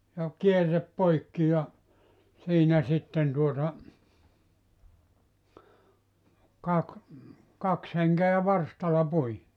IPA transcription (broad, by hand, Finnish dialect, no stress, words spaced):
jɑ kierːep poikːi jɑ siːnæ sitːen tuotɑ kɑk kɑks heŋkeæ ʋɑrstɑlˑɑ pui